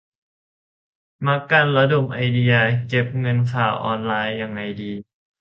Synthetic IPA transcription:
ma˧˥ka˧˩nla˧do˨˩mʔa˧jdi˧a˧ke˧˦˩p̚ŋɤ˧nkʰaː˨˩wʔɔː˧nlaː˧jːa˧ŋːa˧jdiː˧

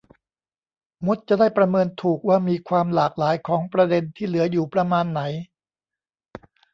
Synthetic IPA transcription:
mo˦˥t̪̚t͡ɕa˨˩daː˥˩jpɾa˧mɤː˧nt̪ʰuː˨˩k̚waː˥˩miː˧kʰwaː˧mlaː˨˩k̚laː˩˦jkʰɔː˩˦ŋpɾa˧de˧nt̪ʰiː˥˩lɯ˩˦ɐjuː˨˩pɾa˧maː˧nːa˩˦j

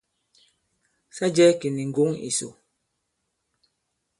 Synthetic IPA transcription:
sa˦d͡ʒɛ˦ki˨ni˨ŋ̩˨ɡo˨˦ŋḭ˨so̰˨

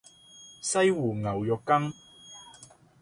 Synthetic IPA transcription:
sɐ˥jwuː˨˩ŋɐ˨˩wjɔː˨kːɐ˥ŋ

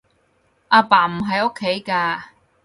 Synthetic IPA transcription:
ʔaː˧paː˨˩m̩˨˩ɦɐ˨jo˥kʰːe˨˥jkaː˧

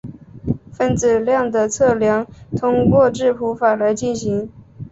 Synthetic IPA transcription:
fə˥˩nt͡sɹ̩˨˩ljɑ˥˩ŋd̪ə˩t͡sʰɤ˥˩ljɑ˧˥ŋt̪ʰʊ˥ŋkwɔ˥˧ʈ͡ʂɻ̩˥˩pʰu˧˥fa˨˩la˧˥ɪt͡ɕi˥˩nɕi˧˥ŋ

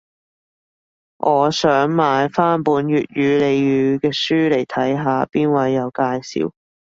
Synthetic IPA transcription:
ŋʔɔː˨˧sœː˨˥ŋmaː˨˧jfaː˥npuː˨˧˥nɥyː˨t̚jyː˨˧le˨˧jjyː˨˧kɛː˧syː˥le˨˩jt̪ʰɐ˨˥jɦaː˨˧piː˥nwɐ˨˧jːɐ˨˧wkaː˧jsḭː˨˧w

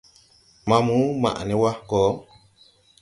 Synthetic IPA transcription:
mã˨mũ˦ma̰˨ʔnɛ˦wa˦kɔː˨˦

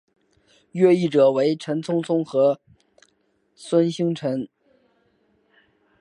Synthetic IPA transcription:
ɥɛ˥˧i˥˩ʈ͡ʂɤ˨˩we˧˥ɪʈ͡ʂʰə˧˥nt͡sʰʊ˥ŋt͡sʰʊ˥ŋxɤ˧˥ | swə˥nɕi˥ŋʈ͡ʂʰə˧˥n

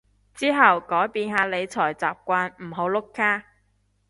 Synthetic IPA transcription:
t͡siː˥ɦɐ˨wkɔː˨˥jpiː˨˧nɦaː˨˧le˨˧jt͡sʰɔː˨˩jt͡saː˨p̚kʷaː˧nm̩˨˩ɦo˨˧˥wlʊ˥kːaː˥

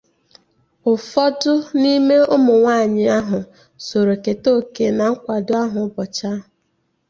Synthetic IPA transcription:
ʊ˨fɔ˦dʊ˦ni˦me˦ʊ˦mʊ˨ŋʷaː˦˨ɲɪ˦a˦ɦʊ˨ | so˨ɾo˨ke˨to˦˨ke˨na˨ŋ̩˦kʷa˨dʊ˦a˦ɦʊ˨˦bɔ˨t͡ʃa˦ɦ

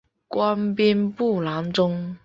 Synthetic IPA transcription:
kwa˥npi˥npu˥˩la˧˥ŋʈ͡ʂʊ˥ŋ

